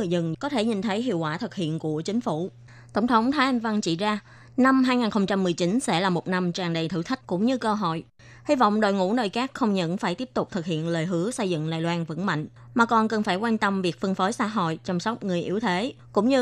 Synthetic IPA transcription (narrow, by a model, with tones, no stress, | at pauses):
ɨ˧˨jzɨ˨˩ŋkɔ˨˦t̪ʰe˧˩ɲi˨˩nt̪ʰə˨˦jɦḭ˧˨əkwaː˧˩t̪ʰɨ˨˩k̚hḭ˧˨ənku˧˩ət͡ɕï˨˦ŋ̟fu˧˩˨ | t̪ə˧˩wŋ͡mt̪ʰə˨˦wŋ͡mt̪ʰaː˨˦jʔa˧nva˧ŋt͡ɕḭ˧˩zaː˧ | na˧mɦaː˧jŋaː˨˩nxə˧wŋ͡mt͡ɕa˧mːɨ˨˩əjt͡ɕi˨˦nsɛ̰˧˥laː˨˩mo˨˩t̚na˧mt͡ɕaː˨˩ŋɗə˨˩jt̪ʰɨ̰˧˩t̪ʰï˦˥k̟̚kʊ̰˧˥ŋ͡mɲɨ˧kəː˧ɦo̰˧˨j | hi˧vɔ̰˧˨wŋ͡mɗo̰˧˨jŋṵ˧˥nəː˨˩jxaː˦˥k̚xə˧wŋ͡mɲə̰˧˥nfaː˧˩jt̪i˦˥əp̚t̪ʊ˨˩k͡p̚t̪ʰɨ˨˩k̚hḭ˧˨ənləː˨˩jɦɨ˨˦əsə˧jzɨ̰˧˨ŋla̰ː˧˨jlwaː˧nvə̰˧˥nma̰˧˨jŋ̟ | maː˨˩kɔ˨˩nkə˨˩nfaː˧˩jkwaː˧nt̪ə˧mvi˨˩k̚fɨ˧ŋfəː˨˦jsa̰ː˧˥ɦo̰˧˨jt͡ɕɔ˧wŋ͡msɔ˦˥k͡p̚ŋɨ˨˩əjʔi˨˦əwt̪ʰe˨˦kʊ̰˧˥ŋ͡mɲɨ˧